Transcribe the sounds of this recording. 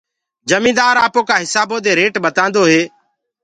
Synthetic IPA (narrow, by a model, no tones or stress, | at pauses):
d͡ʒəmĩːd̪aːɾaːpoːkaːɦɪsaːboːd̪eːɾeːʈɓət̪ãːnd̪oːɦeː